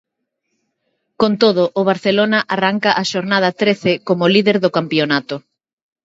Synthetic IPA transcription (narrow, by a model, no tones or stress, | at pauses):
kont̪oð̞ʊʔːβ̞aɾθelonɐʔaraŋkɐʔaʃoɾnað̞ɐt̪ɾeθekomolið̞eɾðʊkampionat̪ʊ